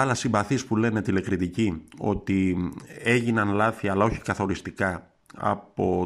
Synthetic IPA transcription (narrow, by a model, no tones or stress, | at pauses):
ɐlɐsimbɐθispule̞ne̞t̪ile̞kɾit̪icio̞̰t̪i | e̞ʝinɐnlɐθiɐːlɐo̞çi̥kɐθo̞ɾist̪ikɐ | ɐ̰po̞